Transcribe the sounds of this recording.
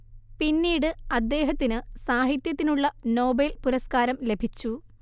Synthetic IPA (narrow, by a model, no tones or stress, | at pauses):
pinːiːɽɨɐd̪ːe̞ːɦɐt̪ːinɨsaːɦit̪jɐt̪ːinuɭːɐno̞ːbelpuɾɐskaːɾɐmle̞bʱit͡ɕːu